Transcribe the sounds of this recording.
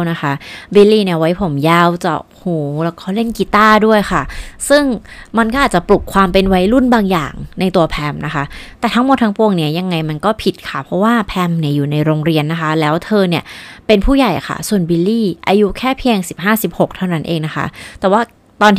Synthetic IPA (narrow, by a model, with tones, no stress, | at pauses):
na˦˥xʰa˦˥bi˧liː˥˩ni˥˩əwa˦˥jpʰo˩˦mjaː˥˩wt͡ɕɔ̰˨˩k̚huː˨˩˦lɛ˧˩kʰa˥˩wle˥˩nki˧t̪aː˥˩du˥˩əjxʰa˥˩sɯ˥˩ŋma˧nkɔ˥ʔaː˨˩t͡ɕa˨˩plu˨˩kʰwaː˧mpe˧nwa˦˥jlu˥˩nbaː˧ŋja̰ː˨˩ŋna˧jt̪u˧ɐpʰɛ˧mnʔa˦˥xʰa˦˥t̪ɛː˨˩t̪ʰa˦˥ŋmo˨˩t̪ʰːa˦˥ŋpu˧əŋni˦˥ɐja˧ŋːa˧jma˧nkɔː˥˩pʰi˨˩t̪̚kʰa˥˩pʰɾɔ˦˥waː˥˩pʰɛ˧mni˥˩ɐjuː˨˩na˧jɾoː˧ŋɾi˧ənːa˦˥kʰa˦˥lɛː˦˥wt̪ʰɤː˧ni˥˩ɐpe˧npʰuː˥˩ja˨˩jkʰa̰˥˩su˨˩ənbi˧liː˥˩ʔa˧ju˦˥kʰɛː˥˩pʰi˧əŋsi˨˩p̚ɦaː˥˩si˨˩p̚ho˨˩k̚t̪ʰa˥˩wna˦˥nʔeː˧ŋna˦˥xʰa̰˦˥t̪ɛː˨˩waː˥˩ | t̪ɔː˧nt̪ʰ